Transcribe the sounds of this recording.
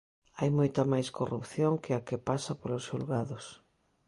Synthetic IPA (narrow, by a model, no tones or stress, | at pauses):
ajmojt̪amajskorupθjoŋkɪakepasapolosulɣaðos